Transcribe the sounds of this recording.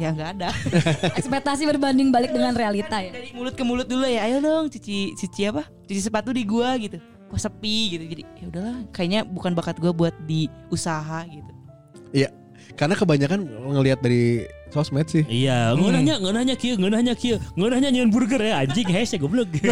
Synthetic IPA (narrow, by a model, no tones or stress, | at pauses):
jaŋɡaːdaɛkspɛt̪as̬ibərbandɪŋbalɪk̚dəŋanrealit̪ajaadikmulʊt̪̚kəmulʊt̪̚dulajaːjadɔŋt͡ʃut͡ʃit͡ʃit͡ʃiapa | t͡ʃut͡ʃisəpat̪̚ludiɡuaɡit̪u | ɡ̥uasəpiɡit̪ud͡ʒadijaudahlakajaʔɲabukanbakat̪̚ɡuabuat̪̚di | usaɦaɡit̪u | ja | karnakəbaɲakanŋəliɦat̪̚daɾisosmɛt̪̚sɪhijaŋonaɲaŋənahɲakiəŋənahɲakiəŋənahɲaɲənburɡərjaaɲd͡ʒikɦasaɡuabəlʊk